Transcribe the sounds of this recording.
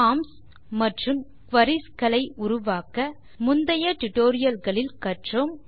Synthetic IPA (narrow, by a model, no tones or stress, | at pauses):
aːms | mɐʈrɯm | kʋɐɾɪskɐlɐɪʊɾʊʋaːkɐ | mʊnd̪ɐjɐʈʊʈːoːɾɪjɐlɣɐɭɪlkɐʈrom